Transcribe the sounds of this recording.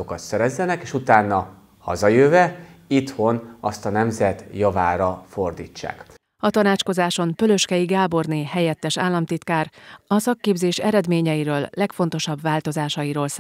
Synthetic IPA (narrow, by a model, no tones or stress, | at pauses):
okɒt̪sɛɾɛzːɛnɛkeːʃut̪aːnːɒ | hɒ̰zɒjøːvɛit̪ho̞nɒst̪ɒnɛmzɛt̪jɒvaːɾɒfo̞rd̪iːt͡ʃːa̰ːk | ɒt̪ɒnaːt͡ʃko̞zaːʃo̞npølø̞ʃkɛiɡaːbo̞rneːɦɛjɛt̪ːɛʃaːlːɒmt̪it̪kaːrɒsɒkːeːbzeːʃɛɾɛd̪meːɲɛjiɾøːlːɛkfo̞n̪t̪o̞ʃɒbʋaːlt̪o̞zaːʃɒjiɾoːls